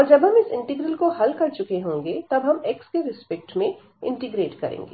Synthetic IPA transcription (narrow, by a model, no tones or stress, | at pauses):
ɔːɾd͡ʒɐbɦɐmɪsɪ̃ɳʈɪɡɾəlkoɦɐlkɐɾt͡ʃʊkeɦõːŋɡet̪ɐbɦɐmekskeɾɪspɛk̚ʈmẽ | ɪ̰̃ɳʈɪɡɾeːʈkɐ̰ɾḛ̃ːŋɡḛː